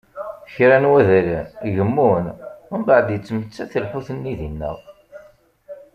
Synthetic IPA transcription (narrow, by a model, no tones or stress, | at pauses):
çɾænwæðæɾæʝəmːunʊnbaʕəd̪jət͡sːmət͡sːæθəlħuθənːiðinːə̰ʁ